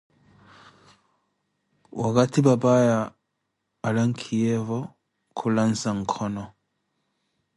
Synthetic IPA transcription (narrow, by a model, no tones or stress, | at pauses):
wʔakatibabajaː | laŋ̩kʰijevɔ | kʰulansaŋ̩kʰɔnɔ